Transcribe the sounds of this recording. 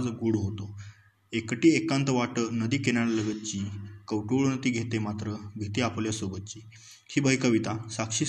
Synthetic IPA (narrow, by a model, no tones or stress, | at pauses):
d͡zɡuːɽɦot̪o | ekʈiːekãnt̪əʋaʈənəd̪iːkeñaɽləɡət̪̚t͡ɕiːkəʋʈoɭnət̪iːɡʱet̪emat̪ɾəɡʱet̪iapljasobət̪̚t͡ɕiː | hiːbəikəʋit̪asakɕiː